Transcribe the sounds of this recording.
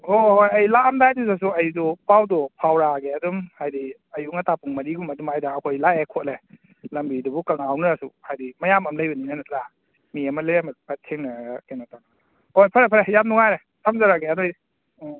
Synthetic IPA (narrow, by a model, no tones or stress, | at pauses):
hohojɐjlaːmdajtus̬as̬uɐjudupawdɔpʰawɾaɡeɐdumhajdi | ɐjuŋɐtʰapuŋmɐɾiɡumɐdumajdaːkʰojlajekʰot̚le | lɐmbidubukawnawnaɾasṵhajdimɐjamɐmlɐjbɐninanɐt̚la | miɐmɐlemɐdpatʰeŋnaɡkenataŋ | hojpʰaɾepʰɾejamnuŋajɾe | tʰamzaɾaɡeadoj